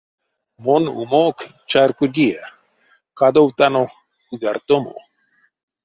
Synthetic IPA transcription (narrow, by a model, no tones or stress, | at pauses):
monṵmok | t͡ʃaɾkuɡia | kad̪owt̪ano | uɡaɾt̪omo̰